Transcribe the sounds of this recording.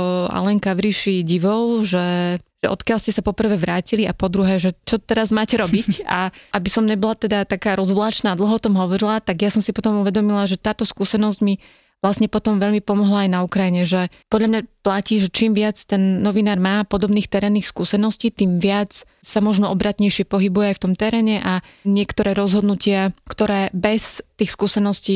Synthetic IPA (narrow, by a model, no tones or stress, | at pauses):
a̰lɛŋkaʋɾiʃiɟiʋɔʊʒɛʒ̥ɛʔɔ̰t̪kɪalscɛsapɔpr̩ʋɛːʋɾaːciliapɔd̪ɾuɦɛːʒɛt͡ʃɔt̪ɛɾazmaːcɛɾɔbica̰ʔabisɔmɲɛbɔlat̪ɛd̪at̪akaːɾɔzʋlaːt͡ʃnaːd̪l̩ɦɔɔt̪ɔmɦɔʋɔɾilat̪aɡjasɔmsipɔt̪ɔmuʋɛd̪ɔmilaʒɛt̪aːt̪ɔskuːsɛnɔzɟmi | ʋlasɲɛpɔt̪ɔmʋɛʎmipɔmɔɦlaajnaukɾajiɲɛʒɛpɔd̪ʎamɲaplaciːʒɛt͡ʃiːmʋɪat͡st̪ɛnːɔʋinaːɾmaːpɔd̪ɔbniːxt̪ɛɾɛːnːixskuːsɛnɔsciːt̪iːmʋɪat͡s | samɔʒnɔɔbɾat̪ɲɛjʃɪɛpɔɦibujɛajft̪ɔmt̪ɛɾɛːɲɛʔa | ɲɪɛkt̪ɔɾɛːɾɔzɦɔd̪nucɪakt̪ɔɾɛːbɛst̪iːxskuːsɛnɔsciː